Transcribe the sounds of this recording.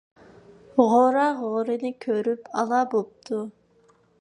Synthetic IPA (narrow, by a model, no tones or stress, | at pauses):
ʁoɾɑʁoɾɨnɪkʲʰøɾypʰɑlˠɑbop̚t̪ʰu